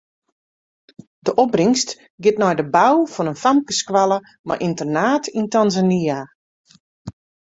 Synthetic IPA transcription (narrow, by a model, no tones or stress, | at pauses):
d̥əʔɔbrɪŋst | ɡɪtnɔjdəbawfɔnənfamkəskwalˠə | ma̰jʔintərnaːtintanzania